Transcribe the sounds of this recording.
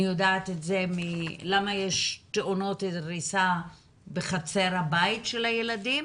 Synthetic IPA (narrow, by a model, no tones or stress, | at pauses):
ijodaːt̪etzemilamajeʃt̪eʔono̞teʁisa | beχat͡seɾhabaitʃelhajeladim